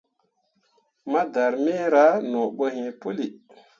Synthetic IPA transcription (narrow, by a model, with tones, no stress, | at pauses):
ma˦da˨ɾme˦ɾa˦no˨ɓə˦ɦĩ˨pu˦li˨